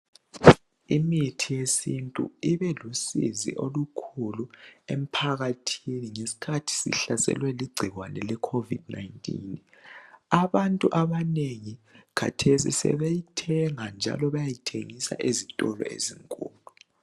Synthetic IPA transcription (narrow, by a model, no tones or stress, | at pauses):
imitʰijesintʼṵiβɛlusḭzḭʔolukʰuluem̩pʰaɣatʰiniŋesi̥kʰatʰi̥sḭɬasɛ̰lwɛliɡ͡ǀʱiɣwanɛlɛkʰovidnajntʼḭn | aβantʼuʔaβaneŋikʰa̰tʰesḭsɛ̰βejitʰɛŋand͡ʒʱa̰lɔβajajitʰḛŋisa̰ʔezitʼɔlɔ̰ḛziŋkʼṵːlu